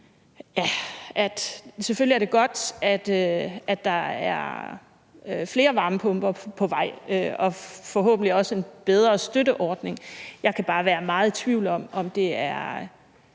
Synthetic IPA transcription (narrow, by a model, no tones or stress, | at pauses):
jæʔæd̥seføliæɐd̥e̝ɡ̥ɒ̽d̥æd̥øʔæ̥ɑ̈æɐ | fle̝ːɐʋɑ̈ːməpʰɔ̽mb̥ɐpʰɒ̽ʋɑ̈ɪ̰øɒ̽fɒ̽ɦɔ̰̽ːb̥n̩liɒ̽səe̝nb̥eð̞ˠʁɐsd̥øɾəʔɒːd̥ne̝ŋjɑ̈ɪkʰæb̥ɑ̈ːʋæːɐmɑ̈ːð̞̩ˠt͡sʰʋiʊ̰ldɒ̽m̰ɒ̽md̥e̝æɐ